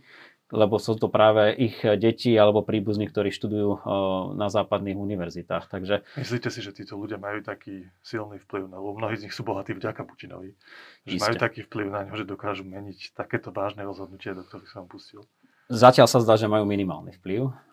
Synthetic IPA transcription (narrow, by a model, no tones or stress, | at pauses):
lɛbɔsuːt̪ɔpɾaːʋɛʔiɣɟɛcialɛbɔpɾiːbuznik̚t̪ɔɾiːʃt̪ud̪ujuːnazaːpad̪niːɣuniʋɛɾzit̪aːxt̪aɡʒɛmisliːcɛsiʒɛt̪iːt̪ɔluɟɪamajuːt̪akiːsilnifpliʊnalɛbɔmnɔɦiːzɲixsuːbɔɦat̪iːvɟakapu̥cinɔ̰ʋiʒɛismajuːɛt̪akiːfpliʊnaɲɦɔʒɛd̪ɔkaːʒuːmɛɲict̪akɛːt̪ɔʋaːʒnɛɾɔzɦɔd̪̚nucɪad̪ɔk̚t̪ɔɾixsɔnampuscil | zacɪalsazd̪aːʒɛmajuːminima̰ːlnḭfpliʊ